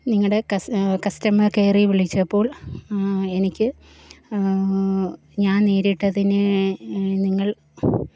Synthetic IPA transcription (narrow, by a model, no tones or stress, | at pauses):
niŋːɐɽe̞kɐkɐstɐmɐrke̞ːriʋiɭit͡ɕːɐpːo̞ːɭ | e̞nikʲːɨ | ɲaːnniːɾiʈːɐðinɨ | niŋːɐɭ